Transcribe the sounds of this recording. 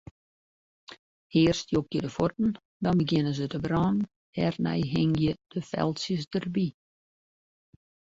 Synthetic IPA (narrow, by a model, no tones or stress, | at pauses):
hɪːərstjok̚jədəfort̚n̩ | dɔnbəɡjɪnəzətəbrɔːnn | hɛrnɛ̰jɦɪŋjəd̥əfɛ̰lˠsjəs̬dərbi